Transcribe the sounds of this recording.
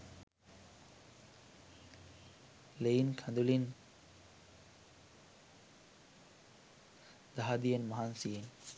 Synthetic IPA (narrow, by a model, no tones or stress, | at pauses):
leinkʰaɐ̃nd̪ulin | d̪aɦad̪ijənmaɦansin